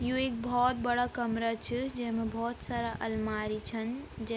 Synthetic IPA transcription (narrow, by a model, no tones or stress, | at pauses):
jũek̚bʱɔt̪̚bəɽakəmɾat͡ʃʰid͡ʒeɦmebʱɔːt̪saɾaʔəlmaɾit͡ʃʰənd͡ʒe